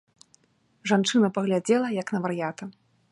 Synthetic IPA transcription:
ʐant͡ʂɨnɐpɐɣlʲad͡zʲɛlˠɐjɐknɐvɐɾjat̪ɐ

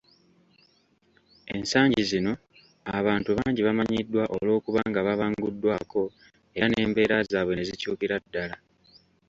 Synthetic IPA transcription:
ensaːɲɟizino̞ | aβaːntuβaːɲɟiβamaɲidːwaʔolo̞ːkuβaːŋɡaβaβaːŋɡudːwaːko̞ | e̞ane̞ːmbe̞ːɾazaːβwe̞ne̞zicṵːkiɾadːala

